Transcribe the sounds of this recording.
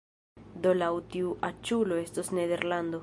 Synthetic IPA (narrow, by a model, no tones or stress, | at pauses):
d̪olawt̪iuʔat͡ʃuloest̪osneðeɾland̪o